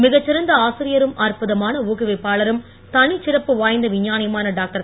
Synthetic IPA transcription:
mɪɣɐt͡ʃːɪɾɐnd̪ɐaːsɪɾɪjɐɾɯmaːrpɯðɐmaːnɐuːɣɪʋɐɪpːaːɭɐɾɯm | t̪ɐɳɪt͡ʃːɪɾɐpːɯʋaːjnd̪ɐʋɪɲːaːnɪjɐmaːnɐɖaːk̚ʈɐɾ

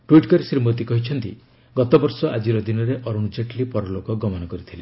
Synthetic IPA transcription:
ʈwiʈkɔɾesɾimot̪̬ikɔɦit͡ʃʰɔnt̪ḭ | ɡɔt̪ɔbɔɾsɔʔad͡ʒiɾɔd̪inɔɾeʔɔɾund͡ʒeʈlipɔɾɔlokɔɡɔmɔnɔkɔɾit̪ʰile

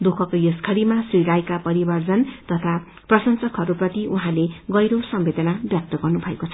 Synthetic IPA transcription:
d̪ukʰʌkojoskʰʌɾimasriɾajkapʌɾibʌrd͡zʌnt̪ʌt̪ʰa | prʌsʌnsʌkʰɦʌɾuprʌt̪iʔuɦãleɡʌjɾosʌmbed̪ʌnabjak̚t̪ʌɡʌrnubʱʌekot͡sʰʌ

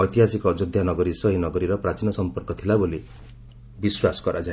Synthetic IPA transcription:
ɔjt̪iɦasikɔd͡ʒɔd̪ʱjanɔɡɔɾisɔɦinɔɡɔɾiɾɔpɾat͡ʃinɔsɔmpɔɾkɔt̪ʰilaboli | biswasɔ̥kɔɾʔad͡ʒã

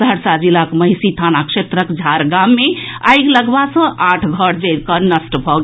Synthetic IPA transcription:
aɾsad͡ʒilakməɦisit̪ʰanakset̪ɾəkd͡ʒʱaɾɡamːea̰jɡləɡbasə̃ʔaʈʰɡʱəɽd͡ʒəɾkəɾnəsʈbʱɔɡ

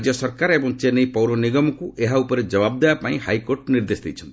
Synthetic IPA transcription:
d͡ʒjɔsɔɾkaɾebɔŋt͡ʃenejpɔwɾɔniɡɔmɔkuʔeɦaupɔɾed͡ʒɔbab̚d̪eapaĩhajkoɾʈniɾd̪esd̪ijt͡ʃʰɔnt̪

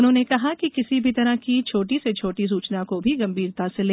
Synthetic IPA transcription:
ʊnɦõːnekɐɦakikɪsibʱit̪ɐɾaɦkit͡ʃʰoːʈiset͡ʃʰoːʈis̬uːt͡ʃnakobʱiɡɐ̃mbʱiːɾt̪aseleː

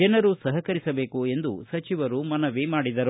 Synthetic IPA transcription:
ɛnɐɾusɐɦɐkɐɾisɐbe̞ːkue̞nd̪ṵsɐt͡ʃiʋɐɾumɐnɐʋemaːɽid̪ɐɾ

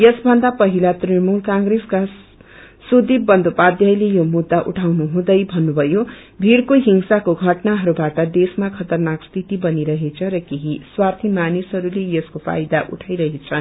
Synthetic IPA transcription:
jʌsbʱʌnd̪apʌɦilat̪rimulkãŋɡreska | sud̪ibbʌnd̪opad̪jʌjlejomud̪ːaʔṵʈʰawnuɦũd̪ʌjbʱʌnːubʱʌjo | bʱirkoɦiŋsakoɡʱʌʈnaɦʌɾubaʈʌd̪esmakʰʌt̪ʌrnakst̪ʰit̪ibʌniɾʌɦet͡sʰʌɾʌkeɦiswart̪ʰimanisɦʌɾulejʌskopʰa̰jd̪aʔṵʈʰajɾʌɦet͡sʰʌ

